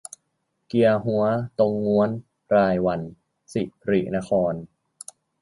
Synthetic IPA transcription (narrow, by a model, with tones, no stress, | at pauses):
ki˧ɐɦu˩˦˥ɐt̪o˧ŋːu˧˦˥ən | ɾaː˧jwa˧n | si˨˩ɾḭ˨˩na˦˥kʰɔː˧n